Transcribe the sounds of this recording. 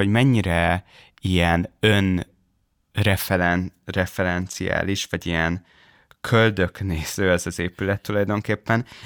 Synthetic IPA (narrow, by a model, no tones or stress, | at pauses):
oɟmɛɲːiɾɛ | ijɛnøn | rɛfɛlɛnrɛfɛɾɛnt̪sija̰ːliʃʋɒɟijɛn | kʰø̞ld̪ø̞kneːz̥øːɛzɒzeːpylɛt̪ːulɒjd̪o̞ŋkeːpːɛn